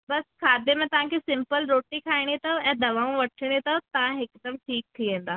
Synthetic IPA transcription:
bɐskʰaːd̪emẽt̪ɐʋ̤ãkʰesɪ̃mpəlɾoːʈikʰaːiɽ̃it̪ɐɛ̃ːd̪ɐʋaːũʋɐʈʰɪɽ̃it̪ɐt̪ɐʋ̤ãɦɪkd̪ɐmʈʰiːk̚t̪ʰiʋẽːn̆d̪aː

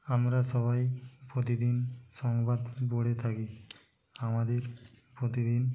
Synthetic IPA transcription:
amɾasɔβajpɾot̪id̪insɔŋbad̪boɽet̪ʰaki | amad̪eɾ | pɾot̪id̪in

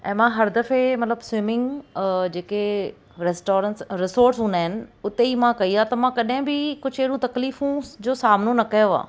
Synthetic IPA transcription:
ʔɛ̃ːmãɦɐɾd̪ɐfemɐt̪ləbswɪmɪ̃ŋɡd͡ʑeːke | ɾesʈoːɾə̃nsɾɪsoːɾʈsɦũːnd̪aːɦɪnɪ̆ʊt̪eimãkɐiaːt̪ɐmãkɐɗɦɪ̃bɪkʊd͡ʑʱɦeɦɽũt̪ɐkliːfũd͡ʑoːsaːmnonɐkɐjoa̰ː

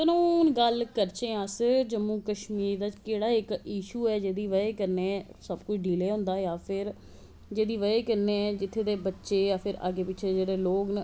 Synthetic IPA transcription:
t̪ənũːnɡəlkəɾt͡ʃẽːəsd͡ʒəmːuːkəʃmiːɾd̪aːkeːɽaːɪkiːʃuːɛːd͡ʒeːd̪iːʋəeːkəɾnesəbkʊt͡ʃʰɖiːleːɦʊ̃nd̪aːjaːpʰɪɾ | d͡ʒeːd̪iːʋəeːkəɾneːɛd͡ʒɪt̪ʰːeːd̪eːbətːʃeːjaːpʰɪɾa̰ːɡeːpɪːt͡ʃʰeːd͡ʒeːɽeːloːkn

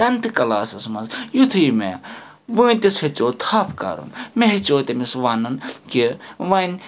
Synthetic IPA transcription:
ɐnt̪ɨkɐlaːsɐsmɐzjut̪ʰɨːmḛ | ʋunʲt̪ishet͡soːt̪ʰaːpʰka̰ɾṵnmeɦt͡ʃoːt̪emisʋɐnɨnkiʋɐnʲ

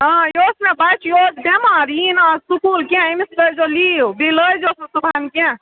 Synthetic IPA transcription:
ɦãjosmẽbajt͡ʃʰjod͡ʒbemaɾinasukulkãimisʈəd͡ʒolibiləjd͡ʒosut̪ubʱankã

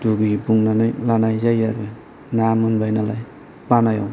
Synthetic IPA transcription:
duɡibuŋnanajlanajzajaɾɯ | namɯnbajnalaj | banaja̰w

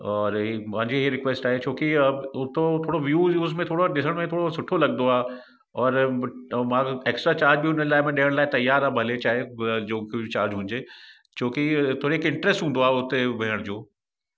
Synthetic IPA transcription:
ɔːɾpãɦɪ̃ɲd͡ʑeɦɾɪkʋeːsʈaːɦet͡ɕʰoːkiʊt̪ot̪ʰoːɽoʋjuːuːzmẽt̪ʰoːɽoɗɪs̬əɽ̃mẽt̪ʰoːɽosʊʈʰolɐɡnd̪oaː | ɔːɾ | mãeːksʈɾat͡ɕaːɾd͡ʑbʱiʊnəlaːɪmẽɗeːəɽ̃laːɪt̪ɐjaːɾabʱɐlet͡ɕaːɦed͡ʑõːkit͡ɕaːɾd͡ʑɦũːɲ̆d͡ʑeː | t͡ɕoːkit̪ʰoːɾeeːkɪ̃ɳʈɾesʈɦũːnd̪oaːɦʊt̪ebʱeːəɽ̃d͡ʑoː

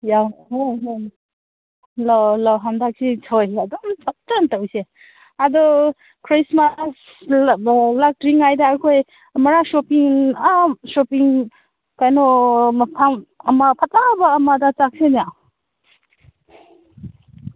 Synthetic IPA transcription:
jaɦojɦj | lɔlɔɦamdak̚sitʰojadɔmpatːantawse | adɔ | kʰɾismas | lak̚tɾiŋajdaːɾkʰoj | mɐɾasopiŋasopiŋ | kajnɔpʰaŋɐmapʰatabaːmadat͡ʃak̚senia

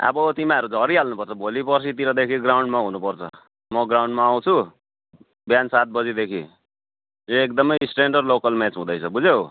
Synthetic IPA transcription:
a̰bʌt̪imãʌɾud͡zʱʌɾiɦalnupʌrt͡sʰʌbʱolipʌrsʰit̪iɾʌd̪ekʰiɡrawɳɖmaɦunupʌrt͡sʰʌ̰ | mʌɡraw̃ɳɖmaːw̃t͡sʰu | bjansat̪̚bʌd͡zid̪ekʰi | joekd̪ʌmʌjsʈeɳɖʌrlokʌlmet͡sɦũd̪ʌjt͡sʰʌbud͡zew

